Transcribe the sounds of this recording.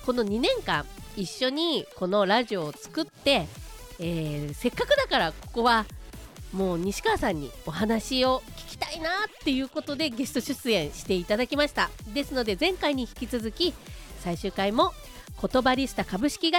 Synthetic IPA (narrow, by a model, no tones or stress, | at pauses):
ko̞no̞ɲ̟inẽ̞ŋkã̰ɴ̃iɕːo̞ɲ̟iko̞no̞ɾaʑio̞ːt͡sɨ̥kɯ̟t̪ːe̞ | eːse̞kːakɯ̟d̪akaɾako̞ko̞βa | mo̞ːɲ̟iɕi̥kaːsãɲ̟ːḭo̞ɦanaɕio̞kʲi̥kʲi̥t̪ainat̪ːe̞jɯ̟ːko̞t̪o̞d̪e̞ɡe̞sɨ̥t̪o̞ɕɨt͡sɨẽ̞ɰ̃ɕi̥t̪e̞it̪ad̪akʲimaɕi̥t̪ad̪e̞sɨno̞d̪e̞zẽ̞ŋkaiɲ̟içi̥kʲit͡sɨzɨkʲisaiɕɨːkaimo̞ | ko̞t̪o̞baɾʲisɨ̥t̪akabɯ̟ɕi̥kʲiɡa